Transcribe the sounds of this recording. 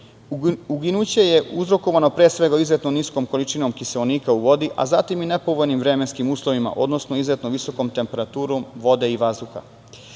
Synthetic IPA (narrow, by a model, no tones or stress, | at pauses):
uɡinut͡ɕe̞je̞uzɾo̞ko̞ʋano̞pɾeːsʋe̞ɡaizet̪noniskoːmko̞lit͡ʃinomkiseloniːkauʋo̞d̪iʔa̰zat̪imine̞po̞ʋojnimʋɾemenskimuːslˠo̞ʋima̰ʔo̞d̪no̞snoizet̪noʋiso̞komt̪e̞mpe̞ɾat̪uːɾomʋo̞d̪e̞iʋazd̪uxa̰